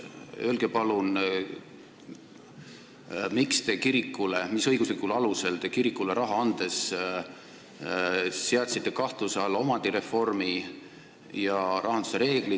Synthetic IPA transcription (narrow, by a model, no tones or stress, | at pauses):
ølɡ̥epɑlun | mikst̪e̞kiɾikːule̞misɤ̞jɡ̥uslikːˑulɑluse̞lt̪e̞kiɾikːˑule̞ɾɑɦɑɑnd̪̥e̞s | seɑt̪ʲsit̪ːe̞kɑht̪lusɑlo̞mɑd̪̥iɾe̞fo̞rmi | jɑɾʔɑɦɑnd̪u̥seɾe̞ːɡ̥li